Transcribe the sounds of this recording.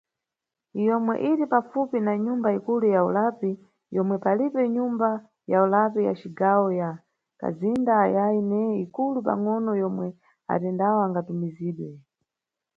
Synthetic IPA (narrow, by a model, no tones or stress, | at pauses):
jɔmwɛ̰ʔiɾipafupinaɲumbaikulujaulapi | jɔmwɛpalipɛɲumba | jaulapija̰t͡ʃiɡawɔja | ka̰zindajainɛikulupa̰ŋɔnɔjɔmwɛ | a̰tɛndawɔaŋɡatumiziːɗwɛ